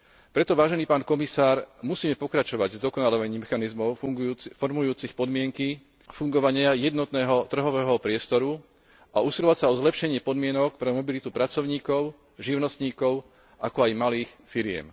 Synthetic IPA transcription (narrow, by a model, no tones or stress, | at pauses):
pɾɛt̪ɔʋaːʒɛniːpaːnkɔmisaːɾmusiːmɛpɔkɾat͡ʃɔʋaɟzd̪ɔkɔnalɔʋaɲiːmɛxanizmɔʊɡfɔɾmujuːt͡sixpɔd̪mɪɛŋki | fuŋɡɔʋaɲɪajɛd̪nɔt̪nɛːɦɔt̪r̩ɦɔʋɛːɦɔpɾɪɛst̪ɔɾu | ʔaʔusilɔʋacsaɔzlɛpʃɛɲɪɛpɔd̪mɪɛnɔk̚pɾɛmɔbilit̪upɾat͡sɔʊɲiːkɔʊ | ʒiʊnɔst̪ɲiːkɔʊ | ʔakɔajmaliːxfiɾɪɛ̰m